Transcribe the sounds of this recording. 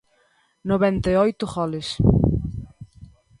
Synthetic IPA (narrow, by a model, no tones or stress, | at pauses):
noβɛnt̪eɔjt̪ʊɣɔlɪs